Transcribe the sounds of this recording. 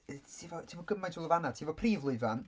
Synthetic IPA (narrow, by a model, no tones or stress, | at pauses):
tʰiːvɔtʰiːvɔɡəmajntʰulˠəvanad̥̚tʰiːvɔpʰriːvlˠuɨvan